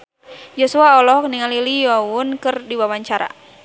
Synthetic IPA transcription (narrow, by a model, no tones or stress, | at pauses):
jɔsuaɔlɔhkniŋalilijɔwʊnkɨrdiwawaɲt͡ʃaɾa̰